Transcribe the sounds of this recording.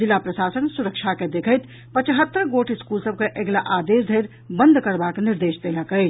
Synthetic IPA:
ilːapɾəsasənsuɾəkt͡ʃʰaked̪ekʰəjt̪ | pət͡ʃɦət̪ːəɾɡoʈʰiskulsəb̚keʔeɡlaʔad̪esd̪ʱəjɾ | bə̃nd̪ʱkəɾbakniɾd̪esd̪eləkəɪt͡ʃ

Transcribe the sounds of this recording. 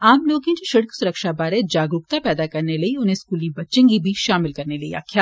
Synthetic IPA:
aːmloːɡẽd͡ʒoːʃɐɽksʊɾəkʃabaːɾed͡ʒaːɡɾʊk̚t̪apɛːd̪akɐɾnelɐiʊnɦẽskuːlibɐtːt͡ʃə̃ŋɡibʱiʃaːmɪlkɐɾnelɐḭa̰ːkʰjaː

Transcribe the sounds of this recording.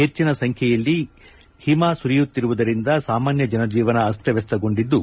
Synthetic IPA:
ɦe̞t͡ʃːinɐsɐŋkʰjɛjɐlːi | himasuɾijut̪ːiɾuʋud̪ɐɾind̪ɐsaːmaːnjɐd͡ʒɐnɐd͡ʒiːʋɐnɐːst̪ʰɛʋɛst̪ɐɡo̞ɳɖid̪ːu

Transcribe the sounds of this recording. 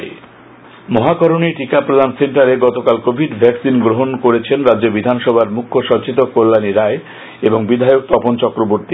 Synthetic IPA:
mɔɦakɔɾoniʈikapɾod̪ʱanseɳʈaɾeɡɔt̪okalkobʱiɖbʱɛksinɡɾoɦonkoɾet͡ɕʰenɾadːd͡ʑobid̪ʱanʃɔbʱaɾmukʰːoʃɔt͡ɕit̪okolːaniɾae | eboŋbid̪ʱajok̚t̪ɔpont͡ɕɔkɾoboɾt̪i

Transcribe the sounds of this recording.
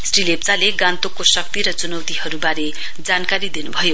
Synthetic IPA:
srilep̚t͡saleɡant̪okːosʌk̚t̪iɾʌt͡sunʌwt̪iɦʌɾubaɾe | d͡zankaɾid̪inubʱʌjo

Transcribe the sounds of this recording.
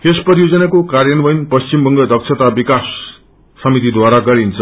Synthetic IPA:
esprʌɾijod͡zʌnakokarjʌnbʌjnpʌst͡simbʌŋɡʌd̪ʱʌksʰʌt̪abikasː | ʌmit̪id̪waɾaɡʌɾint͡sʰʌ

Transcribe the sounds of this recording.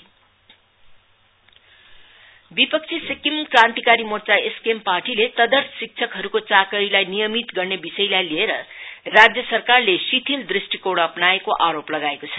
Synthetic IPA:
bipʌk̚t͡sʰisikimkrãnt̪ikaɾimort͡saeskemparʈilet̪ʌd̪ʌrt̪ʰsik̚t͡sʰʌkɦʌɾukot͡sakʌɾilajnijʌmit̪ɡʌrnebisʌjlajlieɾʌrad͡zjʌsʌrkarlesit̪ʰild̪risʈikoɽʌpnaekoʔaɾoplʌɡaekot͡sʰʌ

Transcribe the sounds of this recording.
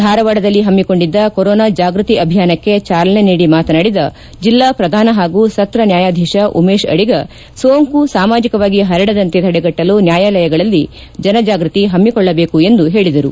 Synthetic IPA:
d̪ʱaːɾɐʋaːɽɐd̪ɐlːiɦɐmːiko̞ɳɖid̪ːɐkoɾɔːnad͡ʒaːɡɾut̪iʔɐbʱijaːnɐkːe̞t͡ʃaːlɐne̞niːɽimaːt̪ɐnaːɽid̪ɐ | d͡ʒilːapɾɐd̪ʱaːnɐɦaːɡusɐt̪ɾɐnjaːjaːd̪ʱɛːʃɐʔumeːʃɐ̰ɽiɡɐ | soːŋkusaːmaːd͡ʒikɐʋaːɡiɦɐɾɐɽɐd̪ɐnt̪et̪ʰɐɽɛɡɐʈːɐlunjaːjaːlɐjɐɡɐɭɐlːi | d͡ʒɐnɐd͡ʒaːɡɾut̪iɦɐmːikɔɭːɐbe̞ːkue̞nd̪uɦe̞ːɭid̪ɐɾu

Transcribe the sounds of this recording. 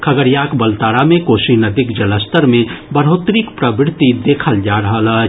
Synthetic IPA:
kʰəɡəɾjakbəlt̪aːɾamẽkoːsinɐd̪ikd͡ʒɐləst̪əɾmẽbəɾɦot̪ɾikpɾəbɪɾt̪id̪eːkʰəld͡ʒaɾəɦələ

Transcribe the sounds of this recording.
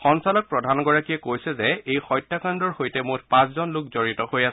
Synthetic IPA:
xɔnsalɔk̚pɹɔdʱanɡɔɹakijɛkojsɛzɛejxɔjtːakandɔɹhojtɛmʊtpãszɔnlʊk̚zoɹitɔhojas

